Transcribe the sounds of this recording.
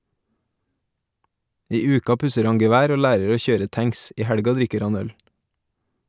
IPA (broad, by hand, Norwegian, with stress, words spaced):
ˈiː ˈʉːkɑ ˈpʉsəɾ ˈɑŋ ɡɛˈʋæːɾ ˈoː ˈlæːɾəɾ ˈoː ˈçøːɾə ˈtæŋs ˈiː ˈhæɽɡɑ ˈdɾɪkəɾ ˈɑn ˈœl